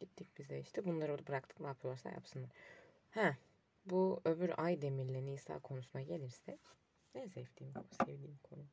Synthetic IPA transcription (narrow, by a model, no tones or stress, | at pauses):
ɟ̥it̪ʰːic̚bizeiʃt̪ʰibunlˠaɾd̪bɯɾakt̪ʰɯ̥knaːpʰɯjo̞ɾsa̰ja̰psɯnlˠaɾ | hæ | buø̞byɾajd̪e̞miɾlʲenisa̰ːkʰo̞nusunaɟe̞lʲiɾsɛ | nɛzeft̪iːmkʰosevd̪iːmkʰo̞nu